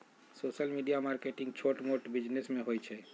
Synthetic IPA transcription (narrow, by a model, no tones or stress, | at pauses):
soːsəlmiɖijamaːɾkeʈɪ̃ŋɡt͡ʃʰoːʈmoʈbɪd͡ʒnesmẽɦojt͡ʃʰɛ